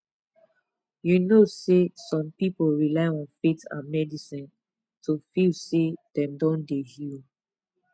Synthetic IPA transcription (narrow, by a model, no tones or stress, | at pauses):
junosesɔ̃mpipolɹilaɪɔ̃nfetã̰mɛdisĩn | tʰofilsed̥ɛ̃mdɔ̃ndehil